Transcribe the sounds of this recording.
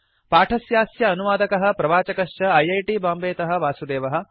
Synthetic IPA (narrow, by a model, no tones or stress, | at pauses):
paːʈʰɐsjaːsjɐːnuʋaːd̪ɐkɐɦɐ̆pɾɐʋaːt͡ʃɐkɐʂt͡ʃɐɐjɐjʈiːbaːmbeːt̪ɐɦɐ̆ʋaːsud̪eːʋɐɦɐ̆